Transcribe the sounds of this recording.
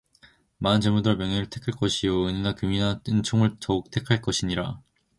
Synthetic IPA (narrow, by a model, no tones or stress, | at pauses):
maɯnt͡ɕemudɯɾʌmjʌŋenɯɭtʰe̞kʰɯɭk͈ʌɕʰijoɯɲinakɯminat͈ɯnt͡ɕʰoŋɯɭtʌuk̚tʰe̞kʰaɭk͈ʌɕʰiɲiɾa